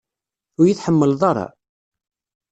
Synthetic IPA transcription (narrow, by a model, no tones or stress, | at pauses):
ʊɾjiθħəmːəlðˤɑɾˤɑ̰